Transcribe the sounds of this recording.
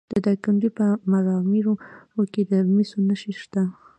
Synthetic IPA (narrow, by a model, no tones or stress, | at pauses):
d̪̥əd̪akaɳdipəmaɾɑmiɾoɾoked̪əmisonəʃiʃt̪a